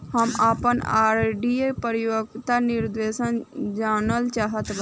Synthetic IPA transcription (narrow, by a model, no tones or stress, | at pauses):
həmaːpəna̰ːɾɖiepəɾjoɡt̪anɪɾd̪ʋeːʃənd͡ʒaːnəlt͡ʃaːɦət̪b